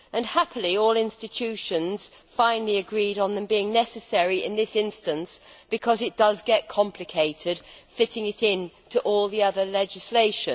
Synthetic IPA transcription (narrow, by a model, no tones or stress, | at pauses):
ʔɨ̃nhæpʰəlˠiɔlˠɪ̃nstɨtʰʉʃɨ̃nz̥ | fãɪ̃nl̩ˠiɨɡɹiɾn̩ðɨ̃mbiɪ̃ŋnɛsɨsɛɹiɪ̰̃nðɪsɪ̃nstɨ̃nsb̥ɨkʰʌzɨt̚d̥ʌzɡɛt̚kʰɑ̃mpʰlɨkʰeɪɾɪd̥fɪɾɪ̃ŋɨɾɪ̃ntʰəʔɔlˠðiʌðə˞lɛd͡ʒɨsleɪʃɨ̃n